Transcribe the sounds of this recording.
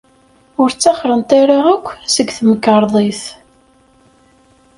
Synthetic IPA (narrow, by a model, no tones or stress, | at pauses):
ʊɾt͡sːɑχɾənt̪ˤaɾaʁəkʷːsəɡθməkːəɾˤðˤiθ